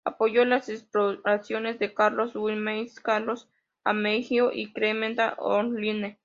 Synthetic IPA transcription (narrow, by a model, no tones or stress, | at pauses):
a̰pojolasespɾoɾasjonesd̪ekaɾloswimejskaɾlos | a̰mehioʔikɾemend̪aʔo̰nline